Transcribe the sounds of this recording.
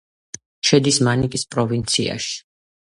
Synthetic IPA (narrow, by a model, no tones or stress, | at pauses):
ʃɛd̪ismanikʼispʼɾɔvint̪sʰia̰ʃi̥